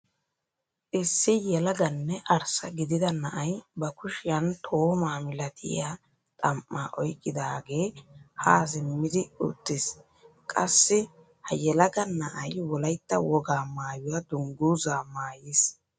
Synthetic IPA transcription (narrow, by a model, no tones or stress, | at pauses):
ʔɪsːɪjɛlɐɡɐnːɛʔɐɾsɐɡɪd̪ɪd̪ɐnɐʔɐjbɐkʊʃɪjɐnt̪ʰoːmaːmɪlɐt̪ʰɪ̰ja | t̪ʼɐmʔːa̰ːʔɔ̰jkʼːɪd̪aːɡe̞ːhaːzɪmːɪd̪ɪʊ̰t̪ːɪs | kʼɐsːɪ | hɐjɛlɐɡɐnɐʔɐjwɔlɐjt̪ːɐwɔɡaːmaːjʊwɐd̪ʊŋɡuzaːmaːjɪs